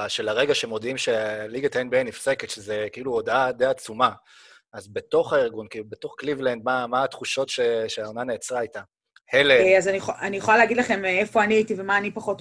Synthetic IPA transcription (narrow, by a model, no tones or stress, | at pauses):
aʃelaʁe̞ɡaʃe̞mo̞d̪imʃeliɡatenbiejnifse̞ketʃezekiiluodad̪ejat͡suma | azbe̞to̞χaiʁɡunkiilube̞to̞χklivlend̪̚mamaːtχuʃo̞tʃeʃeaonane̞ːt͡sʁaajta | heleazanianijeχolaleaɡid̪laχe̞mefo̞aniaitivemaːnipaχo̞t